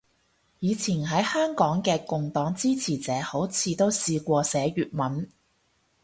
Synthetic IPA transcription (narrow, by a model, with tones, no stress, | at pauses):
jiː˨˧t͡sʰiː˨˩nɦɐ˨˥jhœː˥ŋkɔː˨˥ŋkɛː˧kʊ˨ŋt̪ɔː˨˥ŋt͡siː˥t͡sʰiː˨˩t͡sɛː˨˥ho˨˥wt͡sʰiː˨˧t̪o˥wsiː˧kʷɔː˧sɛː˨˧˥ɥyː˨t̚mɐ˨˥n